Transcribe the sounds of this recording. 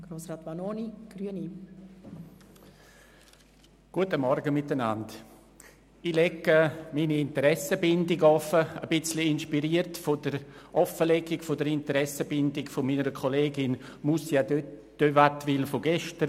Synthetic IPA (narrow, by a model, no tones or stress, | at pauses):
ɡ̥ɾoːsɾaːt̪manoniɡ̥ɾyəni | ɡ̥uətəmɔɾɡəmɪtənand | ilɛkːəminiɪntəɾɛsəbɪndɪɡɔfəəb̥ɪt͡sliɪnʃpiɾiːəɾtfodəɾʔɔfəlɛɡɪkfodəɾɪntəɾɛsəbɪndɪkfomiːnəɾəkʰoleːɡɪnmusja | d̥øvatʋɪlfoɡɛʃtəɾ